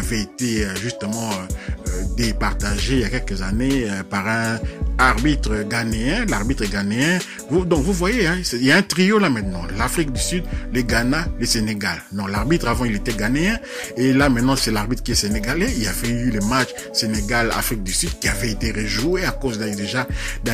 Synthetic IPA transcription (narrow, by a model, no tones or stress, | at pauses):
avɛet̪eøʒyst̪əmɑ̃ød̪epaʁt̪aʒeijakɛlkəzaneøpaʁɛ̃aʁbit̪χʁəɡaneɛ̃laʁbit̪χəɡaneɛ̃ | vud̪ɔ̃kvuvwajeɛ̃sɛiljaɛ̃t̪ʁiolamɛ̃t̪nɑ̃lafʁik̚d̪ysyd̪leɡanaleseneɡa̰lnɔ̃laʁbit̪χavɑ̃ilet̪ɛɡaneɛ̃ | elamɛ̃t̪̚nɑ̃sɛlaʁbit̪kʲiɛseneɡaleilafɛylemat͡ʃ | seneɡala̰fʁik̚d̪ysyd̪̚kʲiavɛet̪eʁeʒueakozd̪d̪eʒad̪